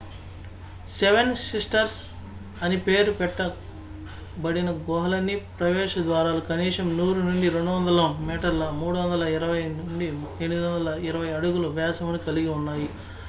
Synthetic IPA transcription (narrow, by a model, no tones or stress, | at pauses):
seʋensisʈɐɾs | ɐnipeːɾupɛʈːɐ | bɐɽinɐɡɔɦɐlɐnːipɾɐʋɛːʂɐd̪ʋaːɾaːlukɐniːʂɐmnuːɾunuɳɖiɾe̞ɳɖuʋɐnd̪ɐlɐmɛːʈɐɾlɐmuːɽuʋɐnd̪ɐlɐiɾɐʋɐjnuɳɖi | enːid̪iʋɐnd̪ɐlɐiɾɐʋɐjɐɽuɡulɐʋɛːsɐmɐnikɐliɡiunːaːji